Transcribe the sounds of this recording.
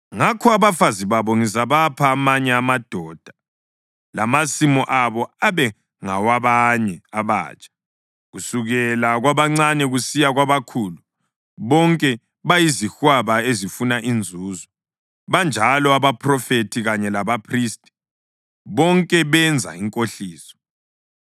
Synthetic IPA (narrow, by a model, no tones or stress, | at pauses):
ŋakʰɔaβafaziβaβɔŋizaβapʰaːmaɲɛamad̥ʱɔːd̥ʱḁ | lamasimɔʔaβɔaβɛ | ŋawaβaɲɛaβa̰ːt͡ʃʼḁ | ɣusuɣɛlaɣwaβaŋ͡ǀanɛɣusijaɣwaβakʰuːlu | βɔŋkʼɛ | βajizixwaβaezifunaʔind͡zʱuːzɔ | βand͡ʒʱalɔaβapʰrɔfetʰiɣaɲɛlaβapʰriːstʼi̥ | βɔŋkʼɛβɛnd͡zʱa̰iŋkʼoɬiːsɔ̥